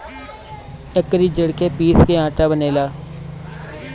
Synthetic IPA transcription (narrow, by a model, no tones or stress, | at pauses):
ɪkɾiːd͡ʒəɽkeːpiːskeːãːʈaːbəneːlaː